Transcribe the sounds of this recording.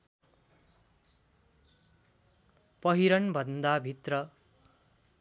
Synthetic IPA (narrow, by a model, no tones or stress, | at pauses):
pʌɦiɾʌnbʱʌnd̪abʱit̪rʌ